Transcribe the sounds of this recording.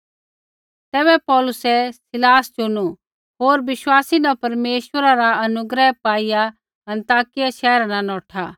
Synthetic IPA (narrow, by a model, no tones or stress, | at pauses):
t̪ɛːbɛpɔːlʊsɛsɪlaːst͡ʃʊnu | ɦoːɾbɪʃwaːsinapɐɾmeːʃwəɾaɾaɐnʊɡɾɛɦpaːija | ɐ̃nt̪aːkɪjaʃɛːɾananɔːʈʰa